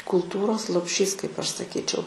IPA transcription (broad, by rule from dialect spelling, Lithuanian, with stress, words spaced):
kʊlˠˈtuːroːs lˠoːpʲˈʃʲiːs kɐɪp ˈɐʃ sɐˈkʲiːt͡ʃʲɛʊ